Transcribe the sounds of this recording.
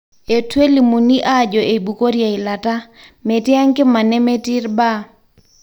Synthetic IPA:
e˨twe˦li˨mu˨ni˦ʔa˦˨d͡ʒɔ˨ʔe˨bu˨ko˦ɾja˨ɪ˨la˨ta˦ | me˨tɪ˦a˦ŋkɪ˦ma˨nɛ˦me˦ti˦rba˦˨

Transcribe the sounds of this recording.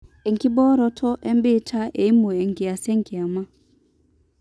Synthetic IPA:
ɛ˨ŋki˦bɔ˦ɾɔ˦tʰɔ˦ʔɛ˦mbi˦tʰa˦ʔe˨i˦mu˨ɛ˨ŋ˨ɡi˨a˨sɛ˦ŋ˦ki˨a˨ma˦

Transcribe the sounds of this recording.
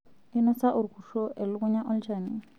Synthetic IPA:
ɪ˦nɔ˦sa˦ʔʊ˨ɾkʰu˨ʃɔ˦ʔɛ˨lʊ˦mʊ˦ɲa˦ʔɔ˦ld͡ʒa˨ni˨

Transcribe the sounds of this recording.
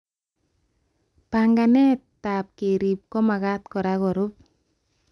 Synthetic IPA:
paŋɡa˨nɛ˦tːa˨p̚ke˨ɾi˨p̚kɔ˦ma˨ka˦t̚kɔ˨ɾakɔ˨ɾu˦p̚

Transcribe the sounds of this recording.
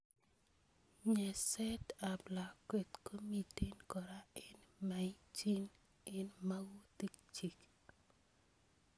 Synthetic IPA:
ɲɛ˨sɛ˦ta˨bla˨kwe˨t̪kʰo˦mi˨te˦nkɔ˨ɾa˦ɪ˦nma˨i˦t͡ʃi˦n | ɪ˦nma˦ɡu˦ti˦k̚t͡ʃi˨k

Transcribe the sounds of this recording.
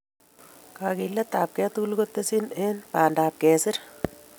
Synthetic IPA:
ka˨kilɐt̪aː˨p̚kɛ˦t̪uku˦lkot̪ːesi˦ne˦npaː˨ndaː˨p̚kɛː˨sɪɾ

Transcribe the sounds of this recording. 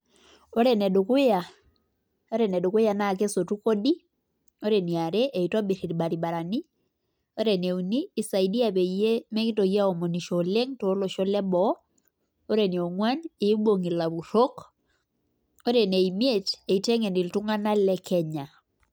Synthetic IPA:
o˦ɾɛ˨nɛ˨du˨kʊ˦ja˨ | o˦ɾe˨nɛ˨du˨kʊ˦ja˨na˦˨k̬e˦so˨tu˦ko˦di˦ | o˦ɾe˨ni˨a˨ɾe˦ʔe˨i˨twa˦bi˨ɾi˨ɾba˨ɾi˨ba˨ɾa˨ni˦ | o˦ɾe˨ne˨u˨niː˦˨sa˨i˨di˦a˨pe˨je˦me˦ki˦to˨ja˦o˨mo˨ni˨ʃo˨le˦ŋto˨˦lo˨ʃɔ˦lɛ˦bɔ˦ | o˦ɾe˨ni˨o˨ŋwa˦ne˨˦bo˨ŋi˨la˨βu˨ɾo˦k | o˦ɾe˨ne˨i˨mje˦t͡ʃe˨i˨tɛ˦ŋe˨ndi˨ltu˦ŋa˦na˦lɛ˦kʰɛ˦ɲa˨

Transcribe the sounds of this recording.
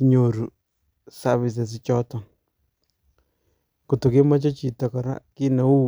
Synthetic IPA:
i˦ɲo˨ɾu˨ | sa˦βi˨s̬ɛ˨s̬ɪ˦t͡ʃɔ˦t̪ɔ˨ | ko˨t̪o˨kɪ˦ma˦t͡ʃɔ˦t͡ʃi˨t̪a˨kɔ˨ɾa̰˦kɪ˦na˨u˦

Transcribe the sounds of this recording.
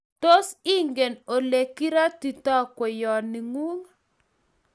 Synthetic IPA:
to˦si˦ŋɡe˨no˨le˨ki˦ɾa˦ti˨tɔ˦kwɛ˨jɔ˨nɪ˨ŋu˦ŋ

